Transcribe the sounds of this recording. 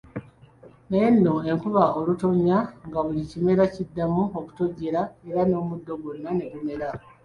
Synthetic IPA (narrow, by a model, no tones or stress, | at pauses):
najenːo̞e̞ŋkuβaolutoɲaŋɡaβulicime̞ɾacidːamuoku̥toɟeɾae̞ɾano̞ːmudːo̞ɡunːane̞βume̞ɾa